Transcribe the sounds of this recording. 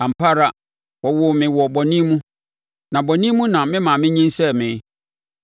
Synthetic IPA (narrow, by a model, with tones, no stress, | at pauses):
ã˨m̩˨pʰa˦ɾa˦ | wɔ˨wʊ˨mɪ̃˨wɔ˨bɔ˨nĩ˦mũ˦ | nã˨bɔ˨nĩ˦mũ˦nã˨mɪ̃˦mã˨mɪ̃˦ɲĩ˦nsɛ˦mɪ̃˨